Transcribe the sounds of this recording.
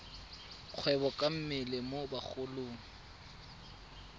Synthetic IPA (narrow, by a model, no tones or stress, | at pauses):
q͡χʰwɛbɔkʼam̩mɪlɪmobaχʰʊlʊːŋ̩